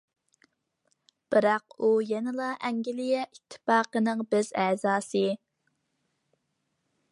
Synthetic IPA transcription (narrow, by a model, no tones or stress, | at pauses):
b̥ɨɾɑqujɛnɨlˠɑʔɛŋɡʲɪlɪjɛʔit̪ʰːɪ̥pɑːqənɨŋbɪz̥ɛːzɑːsɨ